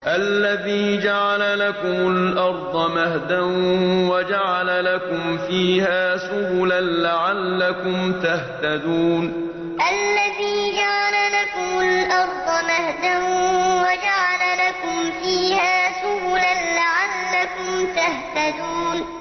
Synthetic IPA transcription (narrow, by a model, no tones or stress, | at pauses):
ʔalːaðiːd͡ʒaʕalalakʊmʊlʔɑɾˤd̪ˤɑmahd̪anwad͡ʒaʕalalakʊmfiːhaːsʊbʊlanlaʕalːakʊmt̪aht̪ad̪uːn | ʔalːaðiːd͡ʒaʕalalakʊmʊlʔɑɾˤd̪ˤɑmahd̪anwad͡ʒaʕalalakʊmfiːhaːsʊbʊlanlaʕalːakʊmt̪aht̪ad̪uːn